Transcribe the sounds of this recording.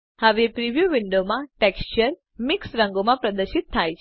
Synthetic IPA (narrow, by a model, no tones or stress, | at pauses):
həʋepɾiʋjuʋɪɳɖomãʈekst͡ʃəɾ | mɪksɾəŋɡomãpɾəd̪əɾʃit̪ʰːajt͡ʃʰ